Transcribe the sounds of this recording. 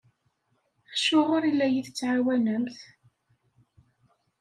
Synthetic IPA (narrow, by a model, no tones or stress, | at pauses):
χʃʊʁʊɾilːæjiθət͡sːʕawænəmθ